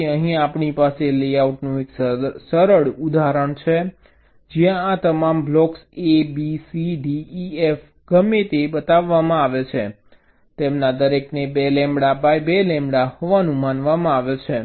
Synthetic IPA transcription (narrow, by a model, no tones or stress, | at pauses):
əɦĩapɳipaselejauʈnũeksəɾəɽud̪ʱaɾəɳt͡ʃʰe | d͡ʒijãːt̪əmamblɔksebisiɖiːef | ɡ̥əmːet̪ebət̪aʋːamãaʋet͡ʃʰe | t̪emnad̪əɾeknebelɛ̃mɽabajbelɛ̃mbɽahɔʋanũmanʋamãaʋet͡ʃʰe